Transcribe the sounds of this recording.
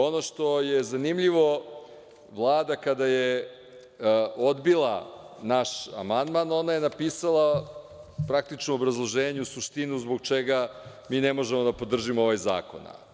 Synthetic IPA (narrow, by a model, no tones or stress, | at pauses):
o̞no̞ʃt̪o̞jezanimʎiʋo̞ | ʋlˠaːd̪akad̪aje | od̪bilˠa | naʃa̰mand̪mano̞naje̞napiːsalˠa | pɾak̚t̪it͡ʃnoobɾazlˠo̞ʒeːɲuusuʃt̪inuzbo̞ɡ̚t͡ʃeɡa | miːnemo̞ʒemod̪apo̞d̪r̩ʒimooʋajza̰ːko̞̰na̰